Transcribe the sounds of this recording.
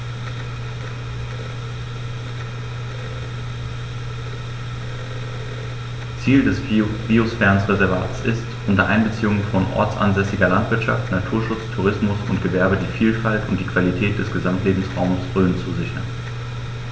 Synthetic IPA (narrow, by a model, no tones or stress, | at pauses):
t͡siːldɛsb̥iosfɛɐnsʁezɛɐvaːtsʔɪstʔʊntɐʔaɪnbət͡siːʊŋənfɔnʔɔ̰ɐt͡sʔa̰nzɛsɪɡɐlantv̥ɪɐtʃa̰ftnatʰuːɐʃʊt͡stʰuʁ̞ɪsmʊsʊntɡ̥əvɛɐbədiːfiːlfaltʊnt̚d̥iːkv̥alitʰɛːt̚d̥ɛsɡ̥əzamtleːbm̩sʁa̰ʊməsʁøːnt͡suzɪçɐ̰n